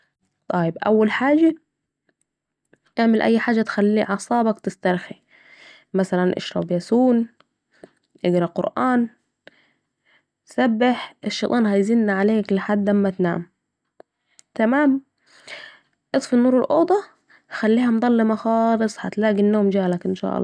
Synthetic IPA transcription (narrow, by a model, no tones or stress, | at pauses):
t̪ˤɑjɪbʔæ̰wːalħaːd͡ʒa | ʔeʕmɪlʔæ̰jːħaːd͡ʒːæt̪xælːiːʕɑsˤɑːbɑkt̪ɪst̪ɑɾˤxi | mæsælænʔɪ̰ʃɾˤɑ̰bjæsuːn | ʔɪɡɾˤɑqʊ̰ɾʔaːn | sæbːɪħʔɪʃːeːt̪ˤɑːnɦæjzinːaʕaleːklɪħad̪ːlamːæt̪na̰ːm | t̪æmaːm | ʔɨt̪ˤfinːuːɾˤɪlʔoːd̪ˤɑ | xælːiːhæmd̪ˤɑlːemɑxɑːlɨsˤhat̪læːɡinːoːmd͡ʒaːlakʔɪnʃa̰ːʔɑ̰lˤːɑː